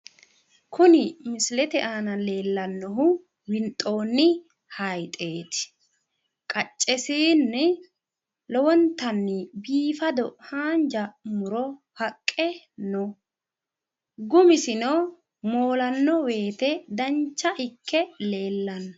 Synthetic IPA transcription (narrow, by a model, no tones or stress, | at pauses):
kʊnɪmɪslɛt̪ɛʔaːnɐle̞ːlːɐnːɔɦʊ | wɪnt̪ʼːo̞ːnːɪ | hɐjt̪ʼe̞ːt̪ɪ̥ | kʼɐt͡ʃʼːɛsiːnːɪ | lɔwɔnt̪ːɐnːɪbiːfɐd̪ɔhaːnd͡ʒɐmʊɾɔ | hɐkʼːɛ | nɔ | ɡʊmɪsɪno | mo̞ːlɐnːɔwe̞ːt̪ɛd̪ɐnt͡ʃːɐʔɪkʰːɛle̞ːlːɐnːɔ